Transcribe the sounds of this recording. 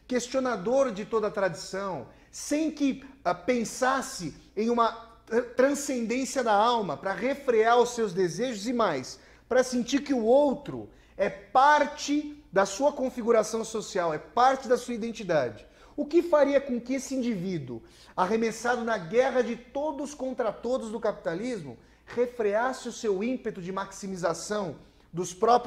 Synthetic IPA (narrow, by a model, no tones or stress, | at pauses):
kest͡ʃionad̪oɾd͡ʒɪt̪od̪ɐːt̪ɾad͡ʒisɐ̃w̃ | sẽj̃kɪɛpẽsasɪẽj̃ũmɐ | t̪ɾɐ̃sẽnd̪ẽsiɐd̪aawmɐpɾɐʁefɾeaɾʊsːewzd̪ezeʒʊzɪmajs | pɾɐsĩnt͡ʃiɾkɪʊowt̪ɾʊ̰ | ɛpaɾt͡ʃɪd̪ɐsuɐkõfiɡuɾasɐ̃w̃sosiawɛpaɾt͡ʃɪd̪ɐsuɐid̪ẽnt͡ʃid̪ad͡ʒɪ | ʊkɪfaɾiɐkõkɪesɪĩnd͡ʒivid̪ʊ̰ | aɦemesad̪ʊnɐɡɛʁɐd͡ʒɪt̪od̪ʊskõnt̪ɾat̪od̪ʊzd̪ʊkapi̥t̪alizmʊ̰ | ʁefɾeasɪʊsewĩpet̪ʊd͡ʒɪmaksimizasɐ̃w̃ | d̪ʊspɾɔp